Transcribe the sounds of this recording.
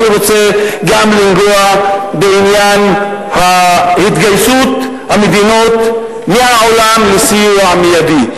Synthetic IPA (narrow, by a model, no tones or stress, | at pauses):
neʁot͡se̞ɡamlinɡoabeinjan | hahit̪ɡajsut̪ | hamed̪ino̞t̪ | meaʕolamlesijuamejad̪i